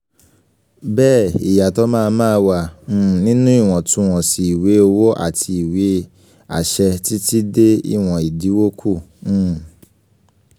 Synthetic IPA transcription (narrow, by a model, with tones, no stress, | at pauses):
bɛː˦˨ḭ˨ja˨tɔ˨˦mãː˦˧mãː˦˧wã˧˨˦nĩ˦nũ˦i˦˨w̃ɔ̃˨tũ˧˦w̃ɔ̃˨si˨i˨we˨˦o˧wo˦ʔa̰˦˨tʰi˧i˨we˨˦ | a̰˦˨ʃɛ˧ti˦ti˦de˦ḭ˦˨w̃ɔ̃˨i˨di˨˦wo˦kʰũ˦˨˦